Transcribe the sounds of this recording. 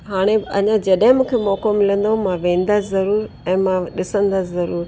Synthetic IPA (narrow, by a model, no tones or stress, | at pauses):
ɦaːɽ̃eɐ̰ɲãd͡ʑɐɗɦɪ̃mũːkʰemɔːkomɪlə̃nd̪oɦũmãʋẽːn̆d̪azɐɾuːɾ | ɛ̃ːmãɗɪsə̃nd̪aɪzɐɾuːɾ